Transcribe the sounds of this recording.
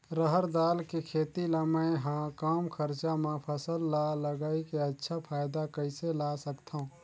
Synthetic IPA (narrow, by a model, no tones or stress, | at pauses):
ɾəɦəɾd̪aːlkekʰeːt̪ilaməjɦãkaːmkʰəɾt͡ʃamẽpʰəsəlːaləɡaikeətːʃʰapʰaːjd̪akəɪselasəkt̪ʰaũ